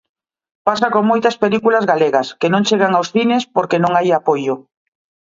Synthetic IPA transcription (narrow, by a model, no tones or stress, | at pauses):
pasakoŋmojt̪ɐspelikulazɣaleɣɐskenõŋt͡ʃeɣaŋawsθinespoɾkenõŋajapojʊ